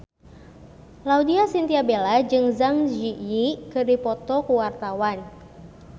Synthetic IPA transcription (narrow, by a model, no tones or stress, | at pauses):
laudiasint̪iabelad͡ʒɨŋzaŋd͡ʒijikɨrdipɔt̪ɔkuwart̪awan